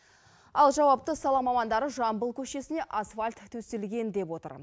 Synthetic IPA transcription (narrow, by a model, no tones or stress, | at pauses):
ɑlˠʒɑwɑp̚t̪əsɑlˠɑmɑmɑnd̪ɑɾəʒɑmbəlˠkʲʰɵʃe̞sɪne̞ʔasfalʲt̪ʰːɵselɡʲe̞nd̪e̞pwo̞t̪ə̰ɾ